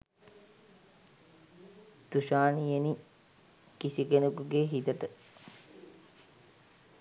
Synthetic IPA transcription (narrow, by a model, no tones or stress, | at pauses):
t̪uʃaːnijeni | kisikenukuɡeːɦit̪əʈə